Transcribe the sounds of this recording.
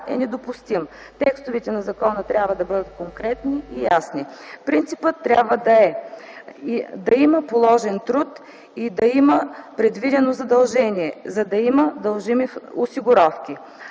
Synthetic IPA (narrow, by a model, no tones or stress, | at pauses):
ɛ̰nɛd̪opʊst̪im | t̪ɛkst̪ʊvɛt̪ɛnɐzɐkɔnət̪ɾʲabvɐd̪ɐbɤd̪ət̪̚koŋkɾɛt̪niʔijasnipɾint̪sipət̪ːɾʲa̰bvəd̪ɐɛ | d̪ɐiməpolˠɔʒɛnt̪ɾut̪ | id̪ɐiməpɾɛd̪vid̪ɛnozɐd̪ɐlˠʒɛniɛzɐd̪ɐiməd̪ɐlˠʒimiosiɡʊɾɔfk̟i